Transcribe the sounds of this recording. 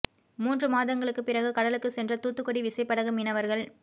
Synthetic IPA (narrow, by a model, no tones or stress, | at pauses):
muːndrɯmaːðɐŋɡɐɭɯkːɯpɪrɐɣɯkɐɽɐlɯkːɯsɛndrɐt̪uːt̪ːɯkːɔɽiʋɪsɐɪpːɐɽɐɣɯmɪnɐʋɐɾɣɐɭ